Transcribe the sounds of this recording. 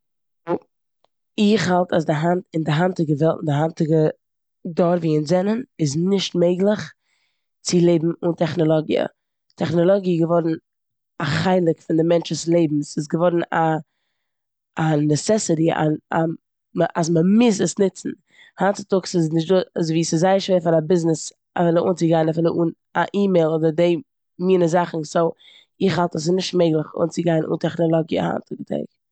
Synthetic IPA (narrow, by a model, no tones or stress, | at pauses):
ɪχhalˠtʰasdɪɦantɪndɪɦantɪɡəvɛlˠtɪndɪɦantɪɡə | dɔɾviːɪnzɛnənɪznɪʃtmeɪɡlˠəχ | t͡sɪlˠeɪbm̩ʊntɛχnɔlˠɔɡḭə̰ | tʰɛχnɔlˠɔɡiɡəvɔɾn̩ | aχaɪlˠɪkfɪndɪmɛnt͡ʃəslˠeɪbm̩sɪs̬ɡəvɔɾn̩a | anɛsɛsɪɾia̰na | məʔas̬məmɪs̬əsnɪt͡sn̩ | hant͡sɪ̥tʊksɪsnɪʃ̬tdozviːsɪzaɪəʃveːɾfaɾabɪznɪs | a̰fɪlˠəʔuːnt͡sɪɡaɪnafɪlˠəʔuːn | aʔiːmeɪlˠoːdəɾdeɪ | miːnəzaχn̩soʊ | ɪχhalˠtəs̬ɪnɪʃtmeɪɡlˠəχṵːnt͡sɪɡaɪnʔṵntɛχnɔlˠɔɡḭha̰ntʊɡətʰɛ̰ɪk